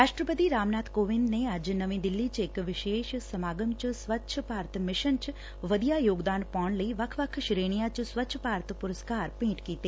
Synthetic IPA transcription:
ɾaːʃʈɾəpət̪iɾaːmnaːt̪ʰkoːʋɪnd̪neaːd͡ʒnəʋĩd̪ɪlːit͡ʃekʋɪʃeːʃsəmaːɡəmt͡ʃsʋətːʃʰəpaːɾt̪ʰmɪʃənt͡ʃ | ʋəd̪ijajoːɡd̪aːnpɔːɳləiʋɐkʰʋəkʰʃɾeːɽ̃ijat͡ʃsʋətːʃʰəpaːɾt̪ʰpʊɾəskaːɾpĩːʈkiːt̪e

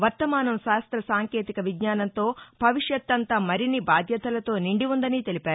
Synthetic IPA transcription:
ʋɐɾt̪ːɐmaːnɐmʃaːst̪ɾɐsaːŋke̞ːt̪ikɐʋiɡɲaːnɐnt̪o̞ːbʱɐʋiʂjɐt̪ːɐnt̪aːmɐɾinibaːd̪ʱjɐt̪ɐlɐt̪o̞ːniɳɖiund̪ɐniːt̪e̞lipaːɾu

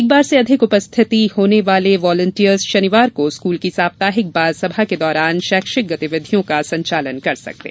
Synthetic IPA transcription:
ɪk̚baːɾseɐd̪ʱɪkʊpəst̪ʰɪt̪ihoːneʋaːleʋɔːlə̃ɳʈiəɾzʃɐnɪʋaːɾkoskuːlkisaːbt̪aːɦɪk̚baːd̪sɐbʱaked̪ɔːɾaːnʃɛːkʃɪk̚ɡɐt̪ɪʋɪd̪ʱijõkasɐ̃ɲt͡ʃaːlənkɐɾsɐ̰k̚t̪ḛː

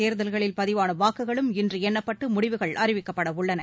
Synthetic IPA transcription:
eːɾðɐlɣɐɭɪlpɐðɪʋaːnɐʋaːkːɯɣɐɭɯmɪndrɯɛnːɐpːɐʈːɯmʊɽɪʋɯɣɐɭʔɐɾɪʋɪkːɐpːɐɽɐʊɭːɐnɐ

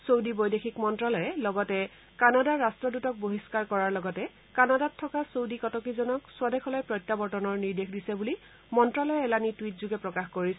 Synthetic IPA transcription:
sowdibojdexʰikmɔntɹalɔjɛlɔɡɔtɛ | kanadaɹːastɹɔdutɔk̚boɦiskaɹkɔɹaɹlɔɡɔtɛ | kanadatʰːɔkasowdikɔtɔkizɔnɔksʊwadɛxʰɔlɔjpɹɔjtːabɔɹtɔnɔɹniɹdexdisɛbuli | mɔntɹɔlɔjɛɛlanitwitzuɡɛpɹɔkaxkoɹisɛ

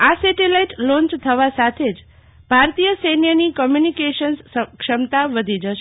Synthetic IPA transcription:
asɛʈilaiʈlɔ̃nt͡ʃt̪ʰəʋasat̪ʰed͡ʒ | bʱaɾt̪ijəsenjənikɔmjunikeʃənskʃəmt̪aʋəd̪ʱid͡ʒəʃe

